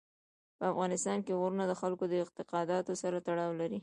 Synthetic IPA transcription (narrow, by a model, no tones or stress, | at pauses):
pəafɣɑnɪst̪ɑnkeɣoɾunad̪əxalkod̪əɪqt̪ɪqɑd̪ɑt̪osaɾat̪aɽɑwlaɾi